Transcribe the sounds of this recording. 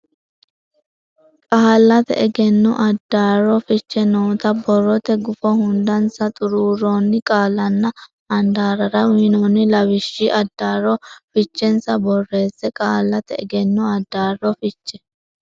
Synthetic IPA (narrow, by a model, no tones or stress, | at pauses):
kʼaːlːɐt̪ɛ̰ʔɛɡɛnːɔʔɐd̪ːaːrɔfɪt͡ʃːɛnoːt̪ɐbɔrːɔt̪ɛɡʊfɔhʊnd̪ɐnsɐt̪ʼʊɾuːɾoːnːɪkʼaːlːɐnːɐ | ɐnd̪aːɾɐɾɐwinoːnːɪlɐwɪʃːiʔɐd̪ːaːɾɔfɪt͡ʃːɛnsɐbɔrːe̞ːsːɛkʼaːlːɐt̪ɛɛɡɛnːɔɐd̪ːaːrɔfɪt͡ʃːɛ̥